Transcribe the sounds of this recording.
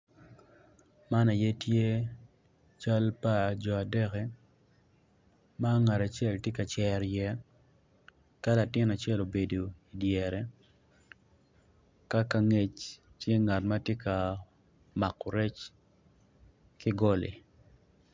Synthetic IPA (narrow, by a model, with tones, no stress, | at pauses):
ma˦na˨je˦tje˦ | t͡ʃa˦lpa˨d͡ʒɔ˨a˨dɛ˦kɛ˦ | ma˦ŋa˨ɾa˨t͡ʃjɛ˦˨ltje˦ka˨t͡ʃɛ˨ɾjɛ˦ | ka˦la˨tɪ˦na˨t͡ʃɛ˦lo˨be˨do˨i˨djɛ˨ɾɛ˨ | ka˦ka˦ŋe˦t͡ʃ | tje˦ŋa˨tma˦tje˦ka˨ | ma˨kːɔ˨ɾɛ˦t͡ʃ | kɪ˦ɡɔ˦lḭ˨